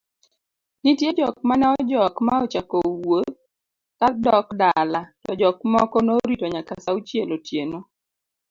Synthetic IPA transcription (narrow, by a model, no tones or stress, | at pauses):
nitjed͡ʒɔk̚manɛɔd͡ʒɔkmaɔt͡ʃakowot | tadɔkdalatɔd͡ʒɔkmɔkɔnoɾitoɲakasaut͡ʃjelotjeno